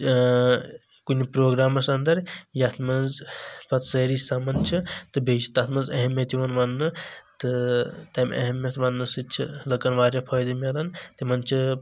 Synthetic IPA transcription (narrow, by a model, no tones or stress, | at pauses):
kunʲipɾoːɡɾaːmɐsɐnd̪ɐɾjɐt̪ʰmɐnzpʰɐt̪sɐɾisamɐnt͡ʃʰɨt̪ɨbʱeːt͡ʃi̥t̪ɐt̪ʰmɐzɐɦemjɐt̪iʋɐnʋɐnːɨt̪ɨt̪ɐm̰ʲʔɐ̰ɦemjɐt̪ʋɐnːɨsɨt͡ʃʰḭlɐkɐnʋaːɾʲjɐpʰɐːjd̪ɐmʲɐlɐnt̪imɐnt͡ʃʰi